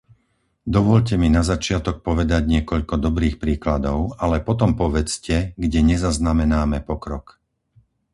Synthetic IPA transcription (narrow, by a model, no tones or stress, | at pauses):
d̪ɔʋɔʎc̬ɛminazat͡ʃɪat̪ɔk̚pɔʋɛd̪aɟɲɪɛkɔʎkɔd̪ɔbɾiːxpɾiːklad̪ɔʊalɛpɔt̪ɔmpɔʋɛt͡scɛɡɟɛɲɛzaznamɛnaːmɛpɔkɾɔk